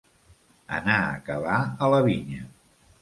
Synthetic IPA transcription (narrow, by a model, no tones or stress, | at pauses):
ə̰naəkəβaələβiɲə